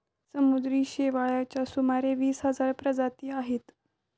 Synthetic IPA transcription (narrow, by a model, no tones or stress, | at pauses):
səmud̪ɾiːɕeʋaɭjat͡ɕjasumaɾeʋiːsɦəd͡zaɾpɾəd͡zat̪iːaɦet̪